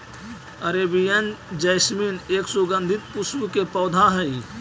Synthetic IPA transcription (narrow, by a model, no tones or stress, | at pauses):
əɾebijənd͡ʒɐjsmiːneːksʊɡə̃nd̪ʱɪt̪̚puswukepɔːd̪ʱaɦəi